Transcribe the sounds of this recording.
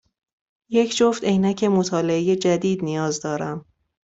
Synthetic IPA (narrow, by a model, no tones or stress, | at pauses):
je̞cʰd͡ʒoft̪ejnæcʰe̞mot̪ʰɒːle̞ejed͡ʒæd̪iːd̪nijɒːzd̪ɒːɾæm